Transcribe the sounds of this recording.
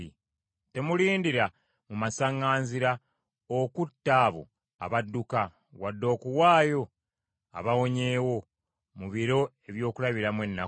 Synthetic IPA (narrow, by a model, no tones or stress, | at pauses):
i | te̞muliːndiɾa | mumasaŋːaːnziɾa | okutːaːβo̰ | a̰βadːuka | wadːo̞ːkuwaːjo̞ | a̰βawo̞ɲe̞ːwo̞ | muβiɾo̞e̞βjo̞ːkulaβiɾamwe̞nːa